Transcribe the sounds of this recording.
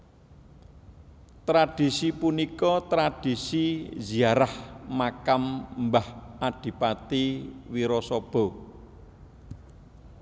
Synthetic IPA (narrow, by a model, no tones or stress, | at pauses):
t̪ɾad̥isipunikɔt̪ɾad̥i̤siziaɾahmakammbahaɖ̥i̤pat̪iwiɾɔsɔb̥ɔ̤